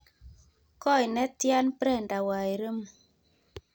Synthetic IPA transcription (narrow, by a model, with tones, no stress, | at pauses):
kɔ˦˨jnɛ˦t̪ja˦npɾɛ˦˨nda˨wa˨ɾə˦m